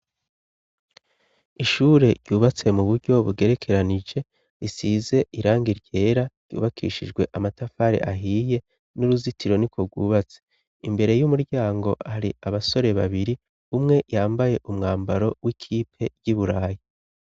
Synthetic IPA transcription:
iʃuːɾe̞ɾɟuːβat͡se̞muβuɾɟo̞βuɡe̞ɾe̞kʰe̞ɾanid͡ʒe̞ | isize̞ʔiɾaːŋɡiɾɟe̞ːɾaɾɟ̥ṵːβakʰḭʃid͡ʒɡwe̞ʔamatafaɾḛʔaɦiːje̞ | nuɾuzitʰiɾo̞nikwoɡwuːβat͡se̥ | imbe̞ɾe̞jumuɾɟaːŋɡo̞haɾiaβaso̞ɾe̞βa̰βiɾi | umŋe̞ʔjaːmbaje̞ʔumŋaːmbaɾo̞wʔikʰiːpʰe̞ɟiβuɾaːji

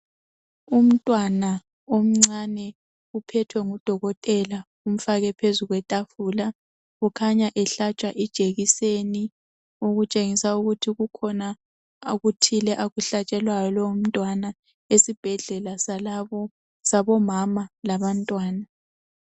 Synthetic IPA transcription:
um̩tʼwana | om̩ŋ͡ǀanɛ | upʰɛtʰwɛŋud̥ʱɔɣɔtʼɛla | um̩faɣɛpʰezuɣwɛtʼafuːla | ɣukʰaɲaʔɛɬat͡ʃʼaʔid̥ʒ̥ʱeɣiseni | uɣut͡ʃʼeŋisauɣutʰiɣukʰɔna | ɣutʰilɛʔaɣuɬat͡ʃʼɛlwajɔlɔum̩tʼwana | esib̥ʱɛɮɛlaslaɔ | saβɔmamalaβantʼwaːna

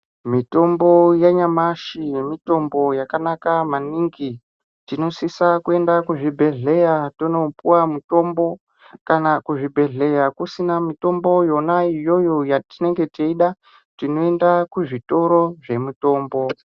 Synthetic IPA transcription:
mito̞mbo̞jaɲamaʃimito̞mbo̞jakanakamaniŋɡi | tino̞sisakue̞ndakuʐibʱe̞ɮe̞jatonopuwamuto̞mbo̞ | kanakuʐibʱe̞ɮe̞jakusinamito̞mbo̞jo̞naijo̞jojatine̞ŋɡe̞teiɗa | tino̞e̞ndakuʐito̞ɾo̞ʐe̞muto̞ːmbo̞

